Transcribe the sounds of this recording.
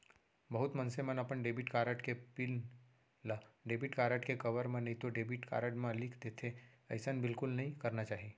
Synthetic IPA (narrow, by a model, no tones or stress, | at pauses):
bɐɦut̪mənsemənəpəɳɖeːbiʈkaːɾəʈkepil | laɖeːbiʈkaːɾəʈkekɐʋəɾmãnəɦĩt̪oɖeːbiʈka̰ɾəʈmãlikʰd̪et̪ʰeɐɪsənbɪlkʊlnɐɦĩkɐɾnat͡ʃaːɦe